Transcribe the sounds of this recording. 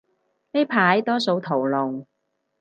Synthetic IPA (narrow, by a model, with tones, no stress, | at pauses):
ne˥jpʰaː˨˥jt̪ɔː˥so˧wt̪ʰo˨˩wlʊ˨˩ŋ